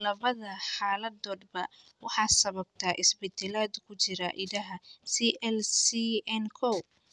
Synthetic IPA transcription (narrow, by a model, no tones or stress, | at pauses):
lɐβɐðɐħɑːlɐd̪ɔːd̪̚bɐ | wɑħɑːsɐβɐb̚t̪ʰaːʔɪsbɪd̪ɛlaːd̪ʊkʰʊt͡ʃɪɾa̰ʔɪðɐɦɐsiʔɛlsiɛnkʰɔw